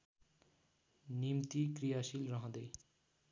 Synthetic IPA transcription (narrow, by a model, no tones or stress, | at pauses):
nimt̪ikrijasilrʌɦʌ̃d̪ʌj